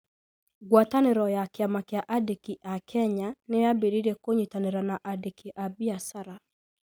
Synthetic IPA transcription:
ɡwataneɾɔjakeamakjaʔadekiʔakʰɛɲaneabeɾiɾekoɲitaneɾanaʔadekiʔabiasaɾa

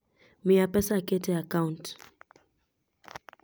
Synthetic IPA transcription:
miapɛsaketɛakaunt

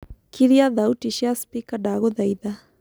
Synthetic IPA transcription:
kiɾiaðautiʃiaspikaɖaɣoðajða

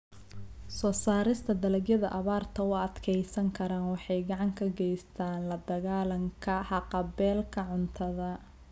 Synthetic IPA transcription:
sɔːsaːɾɪst̪ʰɐd̪ɐlɐɣjɐðɐ̰ʔɐβaːrt̪ʰɐʊɐd̪kʰɛjsɐŋkʰɐɾaːnwɑħɑjɡɑʕɑŋkʰɐɡɛjst̪ʰaːnlɐd̪ɐɣaːlɐŋkʰɐħɑqɑbɛːlkʰɐʕʊnt̪ʰɐðɐ

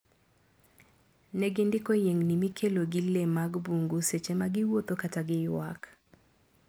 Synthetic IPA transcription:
nɛɡɪndɪkojeŋnimikʰeloɡɪlemaɡbuŋɡuset͡ʃemaɡɪwot̪okataɡɪjwa̰k

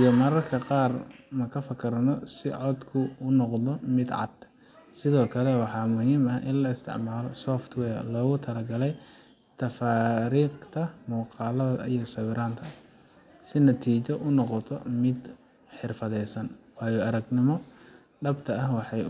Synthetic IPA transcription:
ijɔmɐɾɐrkʰɐqɑːrmɐkʰɐfɐkʰɐrnɔsɪʕɔd̪kʰʊʊnɔqðɔmɪd̪ʕɑ̰d̪̥ | sɪðɔːkʰɐlɛwɑħɑːmʊhiːmɐʔɪnlɐɪst̪ʰɪ̰ʕmaːlɔsɔːft̪wɛːrlɔːɣʊt̪ʰɐlɐɡɐlɛj | t̪ʰɐfaːɾiːqt̪ʰɐmuːqɑːlɐðɐijɔsɐwɪɾaːnt̪ʰɐ | sɪnɐt̪ʰiːt͡ʃɔʔʊnɔqɔt̪ʰɔ̰mɪd̪ | ħɪrfɐðɛjsɐnwɑːjɔɐɾɐɡnɪmɔ | ɖɐbt̪ʰɐɐhwɑħɑj

